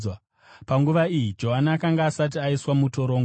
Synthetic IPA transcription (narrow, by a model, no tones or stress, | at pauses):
a | paŋɡuʋaijid͡ʒo̞ɦanaːkaŋɡaːsat̬iaiswamuto̞ɾo̞ːŋɡ